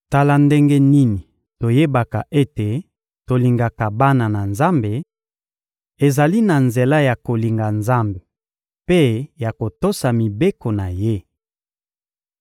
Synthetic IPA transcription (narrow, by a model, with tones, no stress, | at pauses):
ta˨la˨nde˦ŋɡe˦ni˦ni˨ | to˨je˦ba˨ka̰˨ʔe˦te˨ | to˨li˨ŋɡa˨ka˨ba˦na˨na˨nza˦mbe˨ | e˨za˨li˦na˨nze˨la˦ja˨ko˨li˨ŋɡa˨nza˦mbe˨ | pe˦ja˨ko˨to˦sa˨mi˨be˦ko˨na˨je˦